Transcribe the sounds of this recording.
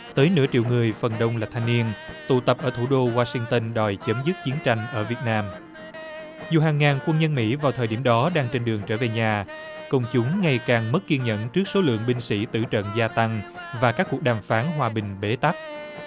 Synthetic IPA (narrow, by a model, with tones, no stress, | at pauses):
t̪əː˨˦jnɨ̰˧˥t͡ɕḭ˧˨wŋɨ˨˩əjfə˨˩nɗə˧wŋ͡mlaː˨˩t̪ʰa˧jŋni˧ənt̪ṵ˧˩t̪ə˨˩p̚ʔəː˧˩t̪ʰu˧˩ɗo˧ɣwaː˧sï˧ŋt̪ə˧nɗɔ˨˩jt͡ɕə˨˦mzɨ˦˥t̚t͡ɕi˨˦ənt͡ɕa˧jŋ̟ʔəː˧˩vi˨˩ət̚naː˧m | zṵ˨˩ɦaː˨˩ŋːaː˨˩nkwə˧nɲə˧nmḭ˧˥vaː˨˩wt̪ʰəː˨jɗi˧˩əmɗɔ˨˦ɗaː˧ŋt͡ɕe˧nɗɨ˨˩əŋt͡ɕəː˧˩ve˨˩ɲaː˨˩ | kə˧wŋ͡mt͡ɕʊ˨˦ŋ͡mŋa˨˩jkaː˨˩ŋmə˦˥t̚kːi˧nɲə̰˧˨nt͡ɕɨ˦˥ək̚so˨˦lɨ̰˧˨əŋɓï˧ŋsḭ˧˥t̪ɨ̰˧˩t͡ɕə̰˧˨nzaː˧t̪a˧ŋvaː˨˩kaː˦˥kːu˨˩ək̚ɗaː˨˩mfaː˨˦nɦwaː˨˩ɓï˨˩ŋ̟ɓe˨˦t̪a˦˥k̚